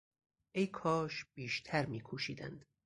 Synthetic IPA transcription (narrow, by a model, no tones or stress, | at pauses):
ʔejkʰɒːʃb̥iːʃt̪ʰæɾmiːkʰuːʃiːd̪æ̰nd̪̥